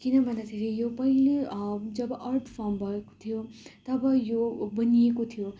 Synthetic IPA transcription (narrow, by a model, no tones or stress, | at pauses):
kinʌbʱʌnd̪at̪ʰeɾijopʌiled͡zʌbʌʔʌrʈʰpʰʌmbʱʌeko̥t̪ʰijot̪ʌbʌjobʌnijekot̪ʰijo